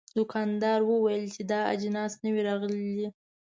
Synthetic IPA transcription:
d̪ʊkʰɑnd̪ɑɾwəwajəlt͡ʃed̪ɑa̰d͡ʒnɑsnəwiɾɑɣəlid̪i

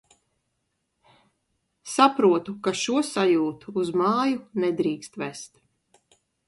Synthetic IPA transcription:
sapɾuɔt̪ukaʃuɔsajuːt̪uːzmaːjunɛd̪ɾiːkst̪vɛst̪

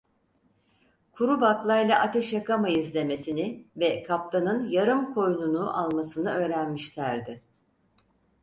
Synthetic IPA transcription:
kʰuɾubat̪lˠajlˠaʔat̪ʰɛʃjakamaizlʲe̞me̞sinɪvɛkʰap̚t̪anɯnjaɾɯmkʰo̞jnunuʔalˠmasɯnɯø̞ːɾænmiʃlʲæɾd̪ɪ

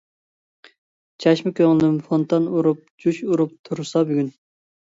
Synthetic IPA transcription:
t͡ʃʰɑʃmɪkʲʰøŋlɪmfont̪ɑnuɾup̚d͡ʒuʃuɾup̚t̪ʰuɾsɑbyɡʲyn

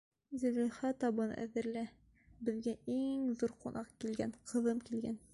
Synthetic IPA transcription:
zɵ̆liχɑt̪ɒbɤn̰æ̰ðɘ̆ɾlæ | bɘ̆ðɡæiŋðuɾqunʔɑqkilɡænqʰɤ̆ðɤmkilɡæn

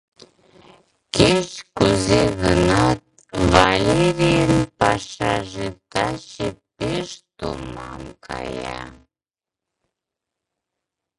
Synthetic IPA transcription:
keʃkuzeɣənɑt̪̚ | valeɾijənpɑʃɑʒet̪ɑʃepeʃt̪omɑmkʰɑjɑ

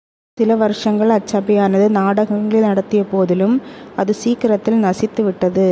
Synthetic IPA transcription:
sɪlɐʋɐɾɯʂɐŋɡɐɭɐt͡ʃːaːbɐjaːnɐðɯnaːɽɐɣɐŋɡɐɭɪlnɐɽɐt̪ːɪjɐpoːðɪlɯmɐðɯsiːkɪɾɐt̪ːɪlnɐsɪt̪ːɯʋɪʈːɐðɯ

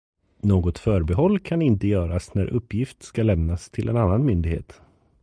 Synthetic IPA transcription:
noːɡɔt̪fœːɾbɛɦɔlːkʰanɪnt̪əjœːɾasnæ̰ɾʔɵpːjɪft̪skalɛmnast̪ʰɪlʔɛ̰nanːanmʏnd̪ɪɡhḛːt̪

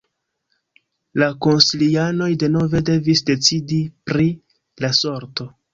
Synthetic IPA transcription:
lako̞nsiliano̞jde̞no̞ve̞de̞visde̞t͡sidipɾi | laso̞ɾto̞

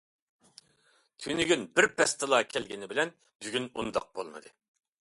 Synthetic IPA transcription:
t̪ʲʰynyɡʲynbɪɾpʰɛst̪ʰɨlˠɑːkʲʰɛlɡʲinɪbɪlɛn | byɡʲynṵnd̪ɑ̰q̚bo̰lˠmɨ̰d̪ɨ

